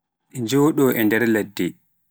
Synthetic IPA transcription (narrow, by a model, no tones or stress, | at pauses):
ʔɛɲd͡ʒoːɗɔʔɛndɛɾladːɛ